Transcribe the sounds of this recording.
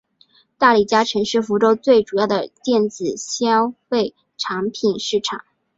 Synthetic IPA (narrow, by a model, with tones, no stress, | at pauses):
t̪a˥˩li˨˩t͡ɕja˥ʈ͡ʂʰɤ˧˥ŋʂɻ̩˥˩fu˧˥ʈ͡ʂo˥ʊt͡swe˥˩ɪʈ͡ʂu˨˩jɑ˥˩ʊd̪ə˩t̪jɛ˥˩nt͡sɹ̩˨˩ɕjɑ˥ʊfe˥˩ɪ | ʈ͡ʂʰɑ˧˥ŋpʰi˨˩nʂɻ̩˥˩ʈ͡ʂʰɑ˨˩˦